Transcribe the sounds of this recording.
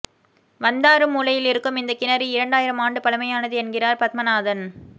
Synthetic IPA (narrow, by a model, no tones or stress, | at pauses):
ʋɐnd̪aːɾɯmːuːlɐjɪlɪɾɯkːɯmɪnd̪ɐkɪnɐɾiɪɾɐɳɖaːjɪɾɐmaːɳɖɯpɐlɐmɐjaːnɐðɯɛnɡɪraːɾpɐt̪̚mɐnaːðɐn